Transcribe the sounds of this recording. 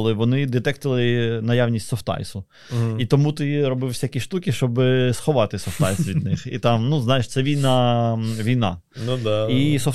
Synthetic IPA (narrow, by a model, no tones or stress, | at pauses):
lˠɪʋɔnɪd̪et̪ɛk̚t̪lˠɪnɐjaʋnʲisʲtʲsɔft̪ɑ̰jsʊ | it̪ɔmut̪ɪɾɔbɪwsʲakʲiʃt̪ukʲiʃt͡ʃɔbɪsxɔʋɑt̪ɪsɔft̪ɑjsʋʲid̪nɪxḭt̪ɑmnuznɑjɪʃt̪sɛʋʲijnɑʋʲijnɑ̰ | nud̪isɔ